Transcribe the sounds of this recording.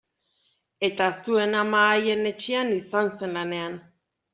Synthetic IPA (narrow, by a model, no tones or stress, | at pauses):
e̞t̪aest̪ue̞namaːje̞ne̞t͡ʃeanisanse̞nlane̞an